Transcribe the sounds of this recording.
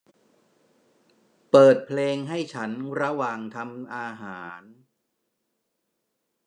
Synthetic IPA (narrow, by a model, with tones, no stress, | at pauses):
pɤː˨˩t̪̚pʰleː˧ŋɦa˥˩jt͡ɕʰa˦˥nɾa˧waː˨˩ŋt̪ʰa˧mʔaː˧ɦaː˩˦˩n